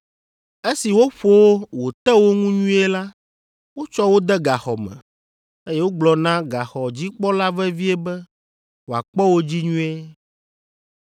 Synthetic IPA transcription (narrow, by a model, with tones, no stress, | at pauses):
e˦si˨wo˦ɸo˦wo˦wo˨t̪ɛ˦wo˦ŋũ˦ɲũ˦ɛ˦la˦ | wo˦t͡ʃɔ˦wo˦d̪ɛ˦ɡa˨xɔ˨mɛ̰̃˨ | e˦je˦wo˦ɡ͡blɔ˨nã˦ɡa˨xɔ˨d͡ʑi˦k͡pɔ˦la˦vɛ˦vi˦ɛ˦bɛ˦ | wo˨a̰˨k͡pɔ˦wo˦d͡ʑi˦ɲũ˦e˦